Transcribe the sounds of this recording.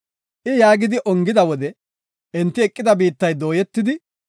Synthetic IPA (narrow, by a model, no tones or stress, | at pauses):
ʔɪjaːɡɪd̪ɪʔɔŋɡɪd̪ɐwɔd̪ɛ | ɛnt̪ːɪɛkʼːɪd̪ɐbiːt̪ːɐjd̪o̞ːjɛt̪ːɪd̪ɪ